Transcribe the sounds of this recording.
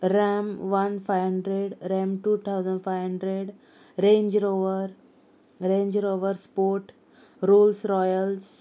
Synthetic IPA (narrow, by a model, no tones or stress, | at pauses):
ɾɛ̃mʋɐnfaɪʋɦə̃ɳɖɾeɖɾɛ̃mʈuːt̪ʰaʊzə̃ɳɖfaɪʋɦə̃ɳɖɾeɖ | ɾẽːɲd͡ʒɾoːʋəɾ | ɾẽːɲd͡ʒɾoːʋəɾspoːʈ | ɾoːlsɾɔjəls